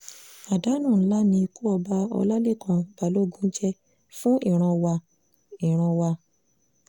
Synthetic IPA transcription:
a˨da˨˦nũ˦˨˦la˦nĩ˧ku˦ɔ˧ba˧ɔ̰˧la˦le˦˨kʰã˧ba˨lo˦˨ɡũ˦d͡ʒɛ˦ | fũ˦i˦˨ɾ̃ã˧wa˧ | i˨ɾ̃ã˧wa˧

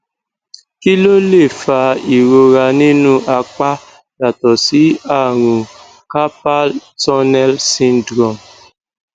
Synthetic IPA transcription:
ki˦lo˦le˦˨fa˧i˨ɾo˧ɾa˧nĩ˦nũ˦ʔa˧k͡pa˦ | ja˨tɔ˨si˨˦a˦˨ɾ̃ũ˨ | ka˦pa˦ltɔ˦nɛ˦lsĩ˦n˦dɾɔ˨m

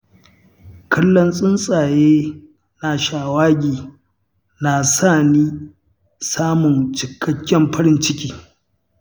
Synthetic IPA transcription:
kʰɐ˦lːɔ˦nsʼɪ˦nsʼaː˨jeː˦ | na˨ʃaː˨waː˦ɡʲiː˨ | na˨saː˦˨niː˦ | saː˦mʊ˨nt͡ʃɪ˨kʰːɐ˦kʲːɛ˦mɸɐ˦ɾɪ˦nt͡ʃɪ˦kʲʼiː˦

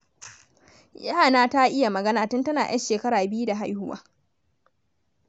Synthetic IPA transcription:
ja˦˨naː˦ta˦ʔɪ˦ja˨mɐ˨ɡɐ˦naː˨tʊ˦ntɐ˦naː˨j̰ʔɐ̰˦nʃeː˨kɐ˦ɾaː˨bɪ˦ju˦da˨ɦa˦jhʊ˦wa̰ː˦

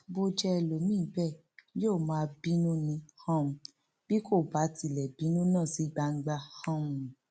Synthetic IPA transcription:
bo˧d͡ʒɛ˦ɛ˧lo˨mĩ˦˨˦bɛ˦˨ | joː˦˨mãː˧bi˦nũ˦nĩ˧hã˦mũ˧ | b̥i˦ko˦˨ba˨˦ti˨lɛ˨bi˨˦nũ˦nãː˦˨si˨˦ɡ͡ba˧ŋ̩˦ɡ͡ba˧hã˦ũ˧˨

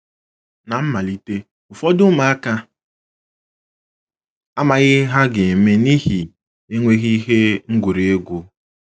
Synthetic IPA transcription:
na˨m̩˦ma˨li˦te˦ | ʊ˨fɔ˦dʊ˦ma˨a˦ka˦ | a˦ma˨ɣɪ˦ɦa˦ɡe˨e˨me˦ni˦ɦi˨ | e˦ŋʷe˦ɣi˦ɦe˦ŋ̩˦ɡʷu˨ɾe˨e˦ɡʷu˦

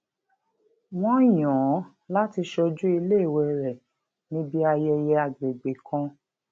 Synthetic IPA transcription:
w̃ɔ̃˦˨jɔ̃ː˨˦ | la˦ti˧ʃɔ˧d͡ʒu˦i˧le˦˨wɛ˧ɾɛ˨ | nĩ˦bi˦a˧jɛ˧jɛ˧a˨ɡ͡be˨ɡ͡be˨kʰã˧˦

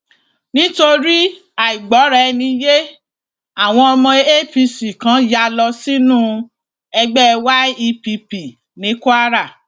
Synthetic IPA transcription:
nĩ˦to˧ɾi˦ | a˨i˨ɡ͡bɔ˨˦ɾɛ˧nĩ˧je˦ | a˨w̃ɔ̃˧ɔ˧mɔ̃˧e˦e˦pi˧si˨kã˨˦ja˧lɔ˧si˦nũ˦˧ | ɛ˧ɡ͡bɛ˦˧wa˦i˧pi˧pi˨ | nĩ˨˦ku˦a˦ɾa˦˨

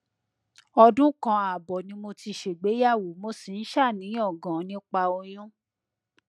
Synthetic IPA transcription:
ɔ˧dũ˦kã˧a˨bɔ˨nĩ˧˦mo˧ti˧ʃe˨ɡ͡be˨˦ja˦˨wo˨˦mo˧si˨n̩˦ʃa˦˨nĩ˨˦ɔ˦˨ɡã˨˦nĩ˦k͡pa˧o˧j̃ũ˦

